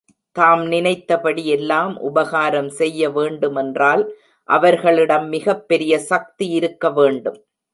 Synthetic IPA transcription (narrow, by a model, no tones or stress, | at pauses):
t̪aːmnɪnɐɪt̪ːɐpɐɽiɛlːaːmʔʊ̰bɐɣaːɾɐmsɛjːɐʋeːɳɖɯmɛndraːl | ʔɐʋɐɾɣɐɭɪɽɐmːɪɣɐpːɛɾɪjɐsɐk̚t̪iɪɾɯkːɐʋeːɳɖɯm